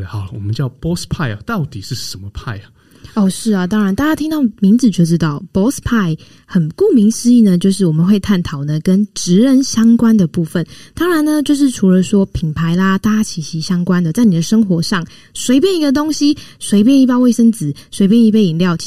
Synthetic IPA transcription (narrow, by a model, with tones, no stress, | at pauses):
xɑ˨˩ʊlwɔ̰˨˩mə˦nt͡ɕjɑ˥˨ʊpɔ˦spʰa˥˧ɪa̰˨t̪ɑ˥˨ʊt̪i˨˩ʂɻ̩˥˩ʂə˨˦nmə˨pʰa˥˩ɪə˩ | ɔ˥˧ʂɻ̩˥˩ɐ˨˩t̪ɑ˥ŋɻa˧˦nt̪a˥˧˩t͡ɕa˥t̪ʰi˥ŋt̪ɑ˥˨ʊmi˧˦ŋd͡z̩˨˩t͡ɕjo˥˩ʊʈ͡ʂɻ̩˦˥t̪ɑ˥˩ʊpɔ˥spʰa˥˩ɪ | xə˨˩nku˥˩mi˧˥˦ŋs̩˥˧i˥˩nə˨t͡ɕjo˥˧ʊʂɻ̩˥˩wɔ˨˩mə˨nwe˥˧ɪt̪ʰa˥˩nt̪ʰɑ˨˩ʊnə˨kə˦˥nʈ͡ʂɻ̩˧˥ɻə˧nɕjɑ˥ŋkwa˦nd̪ə˨pu˥˨˩fə˨˩nt̪ɑ˥ŋɻa˧˦nə˧t͡ɕjo˥˧ʊʂ̬ɻ̩˥˩ʈ͡ʂʰu˧˥lə˧swɔ˥pʰi˨˩npʰa˧˦ɪla˧t̪a˧˥a˥t͡ɕʰi˨˩ɕi˧˥ɕjɑ˥ŋkwa˥˦nd̪ə˨t͡sa˥˩ɪni˨˩d̪ə˨ʂə˥ŋxwɔ˧˥ʂɑ˥˩ŋ | swe˧˥ɪp̬jɛ˥˩ni˧˥ɡə˧t̪̬o˥ŋɕi˥swe˧˥ɪp̬jɛ˥˧ni˥˩pɑ˥˧ʊwe˥˩ɪʂə˥nd͡zɹ̩˨˩˦swe˧˥ɪpjni˥˧p̬e˥ɪi˨˩nljɑ˥˨ʊ